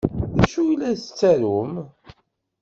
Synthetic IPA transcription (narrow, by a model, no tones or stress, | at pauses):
ðæʃujlːæsət͡sːæɾum